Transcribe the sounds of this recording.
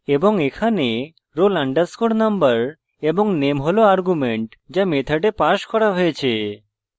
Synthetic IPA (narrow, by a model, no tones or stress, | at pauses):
eboŋekʰane | ɾolaɳɖaskoɽnambəɾ | eboŋnemɦoloaɾɡumeɳʈd͡ʑamet̪ʰaʈepaʃkɔɾaɦojet͡ɕʰe